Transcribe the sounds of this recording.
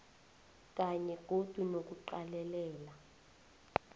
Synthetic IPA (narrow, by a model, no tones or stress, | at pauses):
k̬ʼaɲɛɡ̥ʱod̥ʱunok̬uǃalɛlɛːla